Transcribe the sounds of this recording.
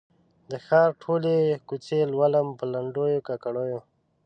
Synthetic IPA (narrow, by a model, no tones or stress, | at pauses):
d̪əxɑɾʈʰolekut͡ʃelwaləmpəlaɳɖojokakaɽojo